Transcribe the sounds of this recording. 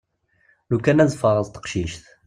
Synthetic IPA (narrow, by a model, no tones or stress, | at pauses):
nukænæzfəʁˤəzt̪ə̥qʃiʃθ